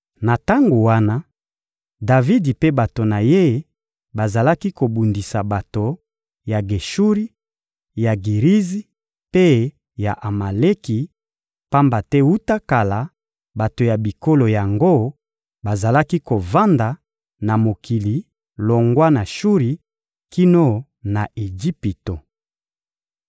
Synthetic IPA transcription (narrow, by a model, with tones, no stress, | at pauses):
na˨ta˦ŋɡo˨wa˦na˦ | da˨vi˦di˨pe˦ba˨to˨na˨je˦ | ba˨za˨la˦ki˦ko˨bu˨ndi˨sa˨ba˨to˨ | ja˨ɡe˨ʃu˦ʁi˦ | ja˨ɡi˨ʁi˦zi˦ | pe˦ | ja̰˨ʔa˨ma˨le˦ki˨ | pa˦mba˨tɛ˦wu˦ta˦ka˨la˨ | ba˨to˨ja˨bi˨ko˦lo˨ja˨ŋɡo˦ | ba˨za˨la˦ki˦ko˨va˦nda˨ | na˨mo˨kʰi˨li˨ | lo˨ŋɡwa˦na˨ʃu˦ʁi˨ | ki˦no˦ | na˨ʔe˨d͡ʒi˦pi˨to˨